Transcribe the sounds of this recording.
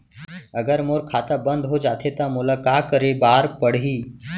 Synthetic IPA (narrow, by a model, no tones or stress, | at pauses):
əɡəɾmoːɾkʰaːt̪abənd̪ɦod͡ʒaːt̪ʰet̪amʊlakakəɾebaːɾpəɽ̤ɦiː